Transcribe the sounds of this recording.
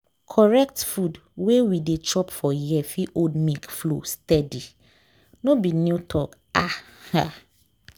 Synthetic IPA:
kʰɔɹɛk̚tfud | wewidet͡ʃʰɔpfɔjɛfiʔodmikflo̰stɛdi | nõbinutʰɔk | aha

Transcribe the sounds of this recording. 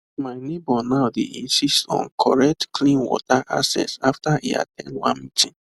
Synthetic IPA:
maɪnebɔnaʊdeʔĩnsistɔ̰̃nkʰɔɹɛk̚tkʰlĩnwɔ̰taʔa̰sɛ̰saftaḭa̰tʰɛ̰̃ndwã̰nmitĩn

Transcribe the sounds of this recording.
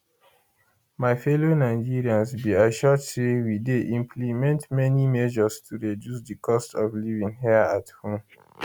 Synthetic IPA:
maɪfɛlonaɪd͡ʒiɹiãnsbiaʃɔdsewideʔĩmpʰlimɛ̃ntmɛnimɛʒɔstʰuɹɛdjusdikʰɔstɔvlivĩŋɦɛathõm

